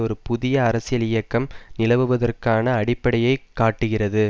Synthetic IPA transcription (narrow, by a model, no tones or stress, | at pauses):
ɔɾɯpʊðɪjɐːɾɐsɪjɐlɪjɐkːɐmnɪlɐʋɯʋɐðɐrkaːnɐːɽɪpːɐɽɐjɐɪkːaːʈːɯɣɪrɐðɯ